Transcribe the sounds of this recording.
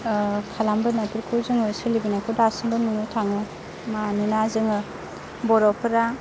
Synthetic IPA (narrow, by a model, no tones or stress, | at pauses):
kʰalambɯnatuɾkʰɯwzɯŋɯsɯlibinakʰɯdasɯmbɯnmunɯtʰaŋɯ | maninazɯŋɯ | bɔɾɔpʰɯɾa